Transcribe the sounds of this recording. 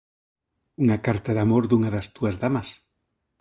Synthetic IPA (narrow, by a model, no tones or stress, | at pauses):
uŋakaɾt̪aðamoɾðuŋaðast̪uazðamɐs